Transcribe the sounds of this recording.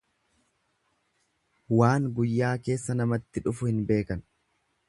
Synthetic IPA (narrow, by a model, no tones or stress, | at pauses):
waːŋɡʊjːaːke̞ːsːɐnɐmɐt̪ːɪᶑʊfʊhɪnbe̞ːkɐn